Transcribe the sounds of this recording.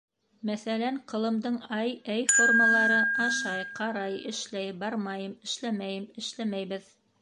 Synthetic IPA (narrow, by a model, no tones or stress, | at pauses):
mæθælæɴqɤ̆lˠɤ̆md̪ɤɴɑjæjforməlˠɑɾɤɑʃɑjqɑɾɑjɘ̆ʃlæjbɑɾmɑjɤmɘ̆ʃlæmæjɘmɘ̆ʃlæmæjβɘð